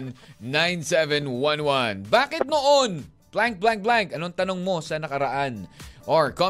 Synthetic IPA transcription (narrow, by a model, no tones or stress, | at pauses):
nːãjnsɛvɛnwɐnwɐnbaːkɪt̪̚noʔon | plaŋk̚blaŋk̚blaŋkʔɐnoŋt̪ɐno̞ŋmo̞sɐnɐkɐɾɐʔanʔoɹko